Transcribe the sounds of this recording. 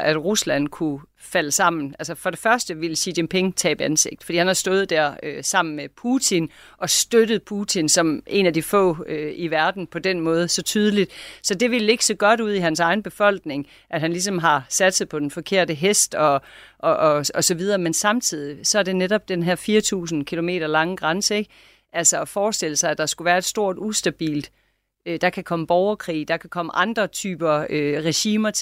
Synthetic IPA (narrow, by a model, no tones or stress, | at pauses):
æd̥ʁuslæn̰kʰu | fæləsɑ̈m̰n̩ʔælsəfɒ̽ɾ̥e̝fɶɐsd̥əʋelɕid̥empʰe̝ŋt͡sʰɛ̰ːb̥ænse̝ɡ̥̚d̥fɒ̽d̥ḭːhænhɑ̈sd̥ɔ̽ːð̩ˠd̥æɐ̰øsɑ̈m̰n̩mepʰuːt͡sʰin | ɒ̽sd̥ød̥ð̞̩ˠpʰut͡sʰinsɒ̽me̝næd̥ifɔ̰̽ːøiʋæɐd̥n̩pʰɒ̽d̥enmɔ̽ːð̞̩ˠsɒ̽t͡sʰyːð̞ˠəlid̥sɒ̽d̥e̝ʋile̝ɡ̥ə̥sɒ̽ɡ̥ɒ̽ɾ̥uð̰ˠiɦænsɑ̈ɪn̩b̥e̝fɒ̽l̰ɡ̥ne̝ŋ | ʔæd̥ɦænlis̬ɒ̽mɦɑ̈sæd̥səð̩ˠpʰɒ̽d̥enfɒ̽kʰe̝ɐ̰d̥əɦesd̥ɒ̽ʔɒ̽ɒ̽sɒ̽ʋið̞ˠɐːmensɑ̈mt͡sʰið̞̰ˠisɒ̽æɐde̝neɾɒb̥̚d̥enɦeɐ̰fiːɐt͡sʰṵːsn̩kʰilo̝me̝̰ːɾ̥ɐlɑ̈ŋəɡ̥ʁɑ̈nsəe̝ɡ̥̚ | ʔælsɒɒfɒːsd̥e̝l̰əsɑ̈ɪæd̥ɑ̈sɡ̥uʋæːɐe̝d̥sd̥o̝ɐ̰d̥usd̥æb̥ḭːld̥ | ød̥ɑ̈kʰækʰɒ̽məb̥ɒʊɐkʰʁḭːd̥ɑ̈kʰækʰɒ̽məʔɑ̈nd̥ʁɐt͡sʰyːb̥ɐøʁɛɕiːmɐt͡sʰ